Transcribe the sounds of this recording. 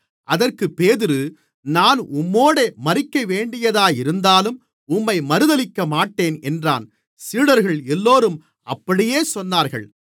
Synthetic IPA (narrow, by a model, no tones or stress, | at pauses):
ʔɐðɐrkɯpːeːðɪɾɯ | naːnʊmːoːɽemɐɾɪkːɐʋeːɳɖɪjɐðaːjɪɾɯnd̪aːlɯm | ʊmːɐɪmɐɾɯðɐlɪkːɐmaːʈːeːnɛndra̰ːn | siːɽɐɾɣɐɭɛlːoːɾɯm | ɐpːɐɽɪjeːsɔnːaːɾɣɐ̰ɭ